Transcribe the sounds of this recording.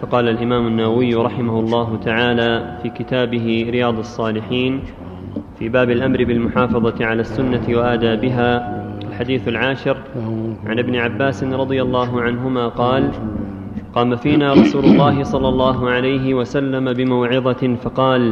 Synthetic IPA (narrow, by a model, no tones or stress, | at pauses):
fɑqɑːlalʔɪmaːmʊnːawawɪjːɾˤɑħɪmahʊlˤːɑːɦʊt̪aʕaːlaːfiːkɪt̪aːbɪɦɪɾɪjaːd̪ˤɑsˤːɑːlɪħiːn | fiːbaːbɪlʔamɾɪbɪlmʊħɑːfɑðˤɑʕalaːsːʊnːatwaʔad̪aːbɪɦaːalħad̪iːθalʕaːʃɪɾ | ʕa̰nʔɪbnɪʕabːaːsɪnɾˤɑd̪ˤɨjalˤːɑːɦʊʕanɦʊmaːqɑːl | qɑːmafiːnaːɾˤɑsuːlʊlˤːɑːɦɪsˤɑlːɑlˤːɑːɦʊʕalajɦɪwasalːamabɪmawʕɪðˤɑfɑqɑːl